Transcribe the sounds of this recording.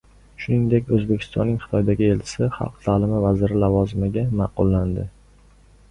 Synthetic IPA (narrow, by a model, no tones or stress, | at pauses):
ʃʊnɪŋd̪e̞kʲɵzbekʲʰɪ̥st̪ɒ̰nːɪŋχɨ̥t̪ʰɒjd̪aɡʲɪelt͡ʃʰɪ̥sɪχɑ̰lˠqt̪ʰaːlɪmɪvazɪɾɪlavɒzɪmɪɡʲamɑqʊlːand̪ɪ